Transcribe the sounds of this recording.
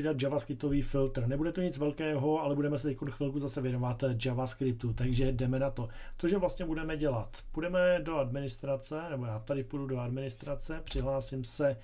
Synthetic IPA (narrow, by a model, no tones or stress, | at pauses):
ɪdad̪̚d͡ʒavaskɾɪp̚t̪o̞viːfɪlt̪r̩nɛbudɛt̪oɲɪt͡svɛlkɛːɦo̞alɛbudɛmɛsɛt̪ɛc̚konxvɪlkuzasɛvjɛnovat̪d͡ʒavaskɾɪp̚t̪ut̪aɡʒɛdɛmɛnat̪o̞t̪oʒɛvlast̪ɲɛbudɛmɛɟɛlat̪pudɛmɛdo̞admɪnɪst̪ɾat͡sɛnɛbo̞jaːt̪adɪpududo̞admɪnɪst̪ɾat͡sɛpr̝̥ɪɦlaːsɪmsɛ